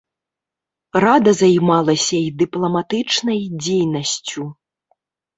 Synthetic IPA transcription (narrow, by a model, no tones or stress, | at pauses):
rad̪ɐzajmalˠɐsʲɐid̪ɨplˠɐmat̪ɨt͡ʂnɐjd͡zʲejnɐsʲt͡sʲu